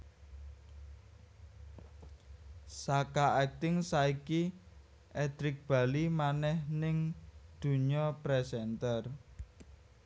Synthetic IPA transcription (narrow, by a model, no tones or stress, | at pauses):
sakaɛk̚t̪ɪŋsaiki | ʔɛd̪ɾɪk̚b̥a̤limanɛhnɪŋd̪̥ṳɲɔpɾɛsɛnt̪ər